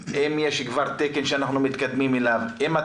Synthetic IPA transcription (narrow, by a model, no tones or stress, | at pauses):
emjeʃkvaʁt̪ekenʃeanaχnumit̪kad̪mimelavema